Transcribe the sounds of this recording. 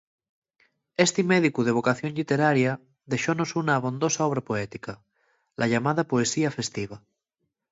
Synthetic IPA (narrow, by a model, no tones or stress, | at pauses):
est̪imeð̞ikuðeβ̞okaθjoŋʎit̪eɾaɾja | ðeʃonosunaːβ̞o̞nd̪osaɔβ̞ɾapoɛt̪ika | lʔaʎamað̞apoesiafest̪iβa